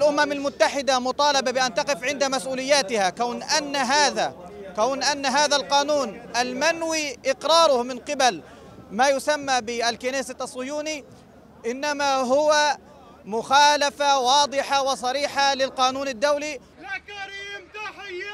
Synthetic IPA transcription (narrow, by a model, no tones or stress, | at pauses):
ʔalʔʊmamalmʊt̪ːaħɪd̪amʊt̪ˤɑːlɑbabɪʔant̪ɑqɪfʕɪnd̪amasʔuːlɪjːaːt̪ɪhakawnʔanːaɦaːðakawnʔanːaɦaːðalqɑːnuːnʔalmanwiʔɪqɾɑːɾˤʊhmɪnqɪbal | maːjʊsamːabɪalkɪneːsɪt̪ʔɑsˤːʊjuːni | ʔɪnːamaɦʊwa | mʊxaːlafawɑːd̪ˤɨħawɪsˤɑɾiːħalɪlqɑːnuːnad̪ːawli